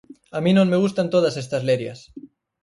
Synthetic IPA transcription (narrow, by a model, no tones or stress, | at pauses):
amĩnõŋmeɣ̞ust̪ant̪oðasest̪ɐzleɾjɐ̰s